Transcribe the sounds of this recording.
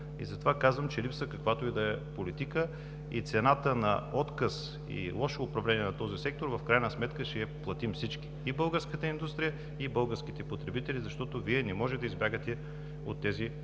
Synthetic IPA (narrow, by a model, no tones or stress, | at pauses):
ḭzɐt̪ovakazvəmt͡ʃɛlipsəkɐkvat̪oid̪ɐɛpolit̪ikə | it̪sɛnat̪ənɐ̰ɔt̪kəs | ḭlˠɔʃoːpɾɐvlɛniɛnɐt̪ɔzisɛk̚t̪oɾvɐfkɾajnəsmɛt̪kəʃɛːplˠɐt̪imfsit͡ʃki̥ibɤlˠɡəɾskət̪əind̪ust̪ɾijə | ibɤlˠɡəɾskit̪ɛpot̪ɾɛbit̪ɛlizɐʃt̪ɔt̪oviɛnɛmɔʒɛd̪ɐizbʲjaɡət̪ɛ | o̰t̪ːɛzi